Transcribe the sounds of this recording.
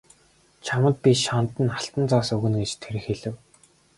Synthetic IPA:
t͡ɕʰamə̆t̪̚pʲiʃɔnt̪ə̆naɬt̪ə̆nt͡saːsɵɣɘ̆nɡet͡ɕt̪ʰeɾɘ̆xeɮɘ̆w

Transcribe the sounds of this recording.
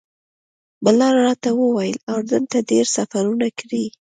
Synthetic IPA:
bəlɑɾɽɑt̪awəwajəlawd̪ənt̪aɖeɾsafaɾunakɽi

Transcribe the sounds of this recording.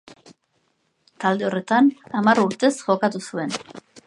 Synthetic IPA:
t̪ald̪e̞o̞re̞t̪anamaruɾt̪e̞sʝo̞kat̪usue̞n

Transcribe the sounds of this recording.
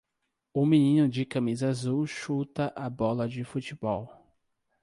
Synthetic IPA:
ʊmĩnĩnʊd͡ʒɪkɐ̃mizazuʃut̪ɐʔabɔlɐd͡ʒɪfut͡ʃɪbɔw

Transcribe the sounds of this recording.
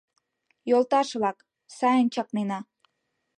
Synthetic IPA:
jolˠt̪ɑʃβlɑk | sɑjənt͡ɕɑknenɑ

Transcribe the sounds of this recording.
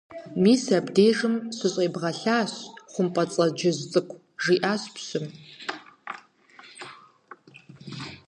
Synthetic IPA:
miːsabdejʐɨmsɨɕʼeːbʁɐɬaːɕχʷʊmpʼɐt͡sʼɐd͡ʒɐzt͡sʼɨkʷʰ | ʐiʔaːɕpʰɕɨm

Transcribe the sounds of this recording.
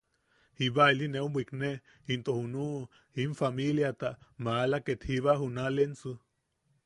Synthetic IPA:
hiβailineubikne | int̪ohunu | iɱfamiljat̪amaːlaket̪hiβaɦunalensu

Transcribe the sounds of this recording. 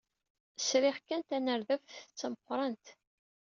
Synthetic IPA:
sɾɪχkænt̪ænəɾðəfθə̥t͡sːməqʷːɾˤɑnt̪

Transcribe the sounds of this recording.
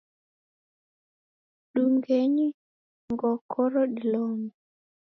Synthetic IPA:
ɗuŋɡeɲi | ŋɡɔkʰɔɾɔɗiloŋ

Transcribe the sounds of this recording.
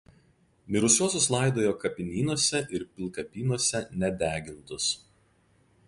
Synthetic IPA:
mʲɪɾʊsʲuɔsʲʊslˠɑˑɪd̪oːjoːkɐpʲɪnʲiːnuɔsʲɛʔɪɾpʲɪlˠkɐpʲiːnuɔsʲɛnʲɛd̪ʲæːɡʲɪnt̪ʊs

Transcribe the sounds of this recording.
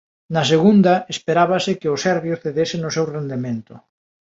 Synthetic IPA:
nɐseɣund̪aespeɾaβasɪkeʊsɛɾβjoθeðesɪnʊsewrend̪emẽnt̪ʊ

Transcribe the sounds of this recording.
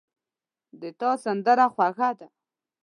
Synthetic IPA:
d̪ət̪ɑsand̪əɾaxwaxad̪a

